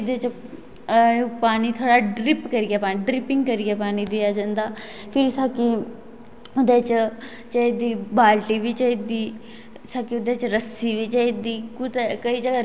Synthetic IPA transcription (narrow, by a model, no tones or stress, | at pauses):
d̪et͡ʃ | paːniːt̪ʰoːɽaːɖɾɪpkəɾɪjaːpaːiɖɾɪpɪ̃ŋɡkəɾɪaːpaːniːd̪ɪjaːd͡ʒãːnd̪aː | pʰɪɾsaːki | ʊd̪eːt͡ʃ | t͡ʃəed̪iːbaːlʈiːʋɪt͡ʃɪd̪iː | sakiʊd̪eːt͡ʃɾəsiːʋit͡ʃed̪iːkʊt̪kəiːd͡ʒəɡaː